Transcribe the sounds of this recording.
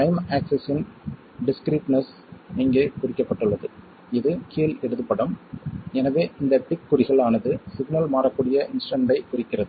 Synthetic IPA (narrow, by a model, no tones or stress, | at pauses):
ʈɐɪmaːksɛsɪn | ɖɪskɾiːʈnɐs | ɪŋɡeːkʊɾɪkːɐpːɐʈːɯɭːɐðɯ | ɪðɯkiːlɛɽɯðɯpːɐɽɯmɛnɐʋeːʔɪnd̪ɐʈɪkːʊɾɪɣɐɭaːnɐðɯsɪɡnɐlmaːɾɐkːuːɽɪjɐʔɪnsʈɐɳɖɐɪkʊɾɪkːɪrɐðɯ